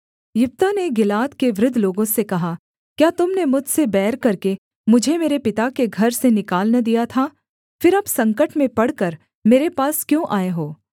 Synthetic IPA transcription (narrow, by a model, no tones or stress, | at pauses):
jʊp̚t̪aneɡɪlaːt̪keʋɾɪd̪ʱːloːɡõsekɐɦa | kjaːt̪ʊmnemʊd͡ʒʱsebɛːɾkɐɾke | mʊd͡ʒʱemeːɾepɪt̪akeɡʱɐɾsenɪkaːlnad̪ijat̪ʰa | fɪɾɐbsɐ̃ŋkəʈmẽpɐɽkɐɾ | meːɾepaːskjõːʔaːeɦoː